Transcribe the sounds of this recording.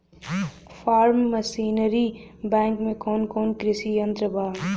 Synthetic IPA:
fʰaːɾmːəsiːnəɾiːbɛ̃ːŋkmẽkoːnkoːnkɾɪsiːjɐnt̪ɾəbaː

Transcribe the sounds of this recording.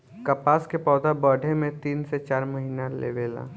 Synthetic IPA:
kɐpaːskepɔːd̪abəːɖʱemẽt̪iːnset͡ʃaːɾmɐɦiːnalḛːʋeːla̰ː

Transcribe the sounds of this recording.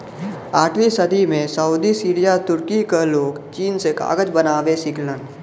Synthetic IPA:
aːʈʰʋisəd̪ʱimẽsəuːd̪isiːɾijat̪ʊɾkikeloːkt͡ʃiːnseka̰ːɡəd͡ʒbənaːʋesɪklə̃n

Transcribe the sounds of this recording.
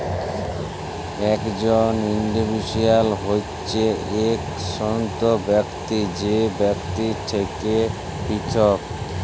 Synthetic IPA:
ɛkd͡ʑoniɳɖibʱiʃialɦo | t͡ɕʰeek | sɔnt̪obɛkt̪id͡ʑebɛkt̪it̪ʰeke | pit̪ʰok

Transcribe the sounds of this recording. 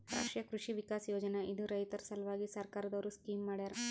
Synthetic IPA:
ɾa̰ːʂʈjɐkɾuʂiʋikaːsjoːd͡ʒɐneid̪uɾɐjt̪ɐɾsɐlʋaːɡisɐɾkaːɾɐd̪ɐʋɐɾuskiːmːaːɽid̪aɾe

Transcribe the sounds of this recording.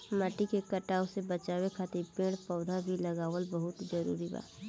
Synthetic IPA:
maːʈikekɐʈaːosebət͡ʃaːwekʰaːt̪ɪɾpẽːɽ̃pɔʊd̪ʱabʱilɐɡaːʋəlbəɦʊt̪d͡ʒəɾṵːɾiba̰ːt̪

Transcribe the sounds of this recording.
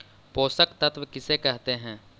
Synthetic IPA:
poːsəkt̪ɐt̪ʋəkɪsekɛɦt̪eɦɛ̃ː

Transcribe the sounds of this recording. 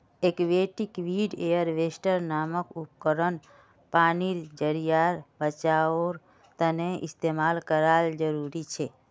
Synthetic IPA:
ekʋeʈikʋiɖejəɾʋesʈəɾnaːməkup̚kəɾən | paniɾd͡ʒəɾijaɾbət͡ʃaoɾ | t̪əneɪ̰st̪emaːlkəɾald͡ʒəɾuɾit͡ʃʰe

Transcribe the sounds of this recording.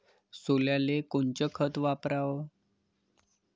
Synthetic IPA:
soljalekont͡ɕəkʰət̪ʋapɾaʋə

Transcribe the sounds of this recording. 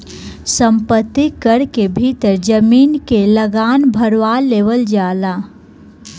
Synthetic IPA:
sə̃mpət̪ːikəɾkebʱiːt̪əɾd͡ʒəmiːnkeləɡaːnbʱəɾʋaːleːʋəld͡ʒaːlaː

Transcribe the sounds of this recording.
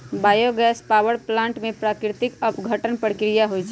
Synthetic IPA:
baːjoɡɛːspaːwəɾplãːɳʈmẽpɾaːkɾɪt̪ɪkəpɡʱəʈənpəɽkɾɪjaɦod͡ʒ

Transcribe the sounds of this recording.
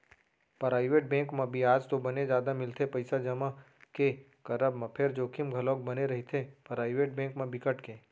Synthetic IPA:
pɐɾaːɪʋeːʈ̚bɛ̃ːŋkmẽbʱiaːd͡ʒt̪obɐned͡ʒjaːd̪amɪlt̪ʰepɐɪsad͡ʒɐma | ke | kɐɾəbmãpʰɪɾd͡ʒoːkʰɪmɡʱɐlõːk̚bɐneɾɐɦit̪ʰepɐɾaːɪʋeːʈ̚bẽːŋkmẽbɪkəʈkẽː

